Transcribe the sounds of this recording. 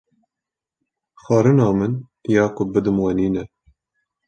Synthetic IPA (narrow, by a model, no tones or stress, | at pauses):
xɑːɾɨnɑːmɨn | jɑːkʊbɨd̪ɨmwɛniːnɛ